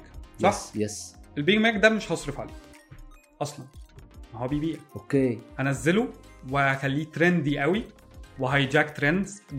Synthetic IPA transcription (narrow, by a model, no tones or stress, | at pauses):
sˤɑħjesʔelbeɡmæːkd̪æmeʃhɑsˤɾefʕali | ʔɑsˤlɑnmæɦɑbiːbiːʔʔokeːhænæzːeluwexælːiːt̪ɾend̪d̪iːʔæwiweɦæjd͡ʒækt̪ɾend̪z̥